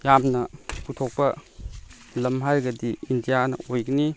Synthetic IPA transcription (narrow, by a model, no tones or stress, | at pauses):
jamnɐputʰɔk̚pɐ | lɐmɦaɾɡɐdiindijanɐ̰ojɡini